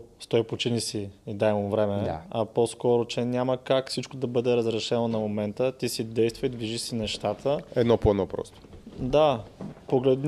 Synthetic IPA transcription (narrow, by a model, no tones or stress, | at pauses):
st̪ɔipot͡ʃinisiːd̪ajmomvɾɛmɛɐposkɔɾot͡ʃɛnʲaməkakfsit͡ʃkod̪ɐbɤd̪ɛɾəzɾɛʃɛnonɐmomɛnt̪ət̪isid̪ɛjst̪vəid̪viʒiʃsinɛʃt̪at̪ʰəɛd̪nɔpoɛnɔpɾɔ̰st̪o̥d̪apoɡlɛd̪